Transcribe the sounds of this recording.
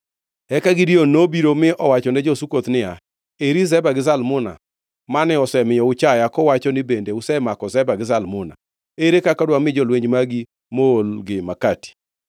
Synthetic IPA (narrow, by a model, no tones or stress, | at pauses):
ɛkaɡɪdionobiɾomɪʔɔwat͡ʃɔnɛd͡ʒɔsukot̪nɪa | eɾizɛbaɡɪzalmʊna̰ | manɛɔsɛmɪjɔʊt͡ʃajakɔwat͡ʃɔnɪbendeʊsɛmakɔzɛbaɡɪzalmʊna̰ | eɾekakɔdwamɪd͡ʒɔlweɲd͡ʒmaɡi | moolɡɪmakati̥